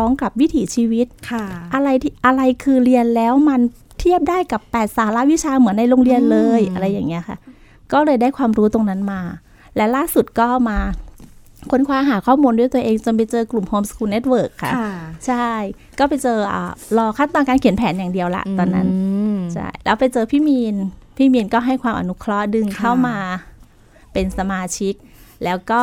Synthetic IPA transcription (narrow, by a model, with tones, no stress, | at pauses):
ɔː˦˥ŋka˨˩p̚wi˦˥t̪ʰiː˩˦t͡ɕʰiː˧wi˦˥t̪̚kʰʔa˧ɾa˧jt̪ʰi˥˩ʔa˧ɾa˧jkʰɯː˧ɾi˧ənlɛː˦˥wma˧n | t̪ʰi˥˩əp̚daː˥˩jka˨˩pːɛː˨˩t̪̚saː˩˦la˦˥ʔwi˦˥t͡ɕʰaː˧mɯ˨˩˦nːa˧jlo˧ŋɾi˧ənlɤː˧jʔa˧ɾa˧jːaː˨˩ŋːi˦˥ɐkʰa̰˥˩ | kɔː˥˩lɤː˧jdaː˥˩jkʰwaː˧mɾuː˦˥t̪o˧ŋna˦˥nmaː˧ | lɛ˦˥laː˥˩su˨˩t̪̚kɔː˥˩ʔmaː˧ | kʰo˧˥nkʰwaː˧ɦaː˩˦kʰɔː˥˩muː˧ndu˥˩jt̪u˧əʔeː˧ŋt͡ɕo˧np̬a˧jt͡ɕɤː˧klu˨˩mhoː˧mskʰuː˧ne˦˥t̪̚wɤː˨˩kʰːa˥˩t͡ɕʰa˥˩j | kɔː˥˩pa˧jt͡ɕɤː˧ʔa̰ː˨˩lɔː˧kʰaː˥˩nt̪ɔː˧nkaː˧nkʰi˩˦npʰɛː˩˦njaː˨˩ŋdi˧əwla̰˧˩ʔt̪ɔː˧nːa̰˦˥nt͡ɕʰa̰˥˩jlɛː˦˥wpa˧jt͡ɕɤː˧pʰiː˥˩miː˧npʰiː˥˩miː˧nkɔː˥˩ɦa˥˩jkʰwaː˧mʔa̰˧nu˦˥kʰɾɔ˦˥ʔdɯ˧ŋkʰa˥˩wmaː˧ | pe˧nsa˧maː˧t͡ɕʰi˦˥k̚lɛː˦˥wkɔː˥˩